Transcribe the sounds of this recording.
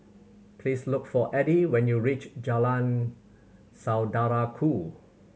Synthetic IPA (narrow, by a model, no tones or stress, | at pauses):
pʰlislʊkfɔʔɛdiwɛ̃njuɹit͡ʃd͡ʒalãn | sawdaɹakʰu